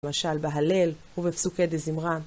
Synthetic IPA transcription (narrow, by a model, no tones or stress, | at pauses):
maʃalbeɦale̞lhuvefsuked̪ezimʁan